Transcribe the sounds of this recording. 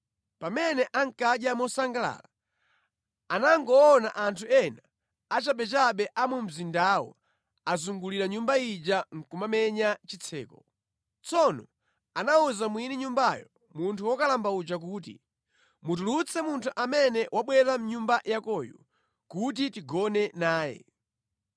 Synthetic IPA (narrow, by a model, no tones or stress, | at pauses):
pamɛnɛʔaŋkaɗjamɔsaŋɡala̰ːla | anaŋɡɔːnaʔantʰuɛna | at͡ʃaɓɛt͡ʃaɓɛʔamum̩zindaːwɔ̰ | azuŋɡuliɾaɲumbaid͡ʒaŋ̩kumamɛɲat͡ʃit͡sʰɛ̰ːkɔ | t͡sɔnɔ | anauzamwiniɲumbajɔ | muntʰuwɔkalambaut͡ʃak̬uːt̬ḭ | mut̬ulut͡sʰɛmuntʰuʔamɛnɛwaɓwɛɾam̩ɲumbajakɔjṵ | kut̬itiɡɔnɛnaːjɛ̰